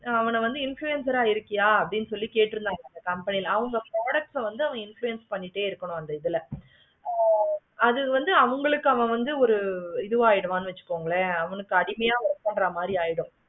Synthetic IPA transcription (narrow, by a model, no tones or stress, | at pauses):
ɐʋɐnɐʋɐnd̪ɯɪnfɭuɛnsɐɾaːɪɾɯkːɪjaːɐpːɐɽɪnːɯsɔlːikeːʈːɪɾɯnd̪aːŋɐnd̪ɐkɐmpɐnɪjlɐʋɐŋɡɐpɾoːɽɐk̚ʈsɐʋɐnd̪ɯɐʋɐ̃ɪnfɭuɛnspɐɳːɪʈːeːɪɾɯkːɐɳʊ̃ɐnd̪ɐɪðɯlɐ | ɐðɯʋɐnd̪ɯɐʋɐŋɡɐɭɯkːɯɐʋɐ̃ʋɐnd̪ɯɔɾɯɪðɯʋaːjɪɽɐaːnɯʋɐt͡ʃːɯ̥kːoːŋɡɐɭeɐʋɐnɯkːɯɐɽɪmɐjaːʋɐɾɐpːɐɳɖɾɐmaːd̪ɾiaːjɪɽɯ̃